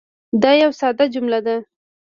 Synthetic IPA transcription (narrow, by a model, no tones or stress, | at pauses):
d̪ɑjawsɑd̪ad͡ʒʊmlad̪a